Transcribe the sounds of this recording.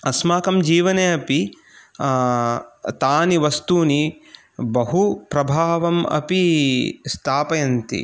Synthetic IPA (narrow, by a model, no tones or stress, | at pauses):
ɐsmaːkɐmd͡ʒiːʋɐneːɐpi | t̪aːniʋɐst̪uːni | bɐɦupɾɐbʱaːʋɐmɐ̰pist̪ʰaːpɐjɐnt̪ḭ